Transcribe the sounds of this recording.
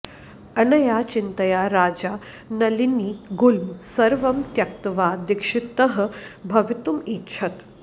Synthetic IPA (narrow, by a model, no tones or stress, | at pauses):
ɐnɐjaːt͡ʃint̪ɐjaːɾaːd͡ʒaː | nɐliniːɡulmsɐɾʋɐmt̪jɐk̚t̪ɐʋaːd̪ikʂit̪ɐɦɐ̆bʱɐʋit̪umitt͡ʃʰɐt̪